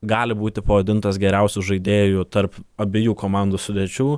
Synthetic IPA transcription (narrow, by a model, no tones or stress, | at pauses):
ɡɑːlʲɪbuːt̪ʲɪpɐʋɐd̪ʲɪnt̪ɐsɡʲɛɾʲɛʊsʲuʒɐɪd̪ʲeːjuːt̪ɐɾpɐbʲɪjuːkoːmɑːˑnd̪oːsʊd̪ʲɛːt͡ʃʲuː